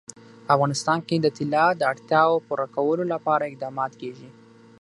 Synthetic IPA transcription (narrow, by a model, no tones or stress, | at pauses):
afɣɑnɪst̪ɑnked̪ət̪ɪlɑd̪əaɽt̪jɑwopuɾakawəlolapɑɾaɪq̚d̪ɑmɑt̪keʒi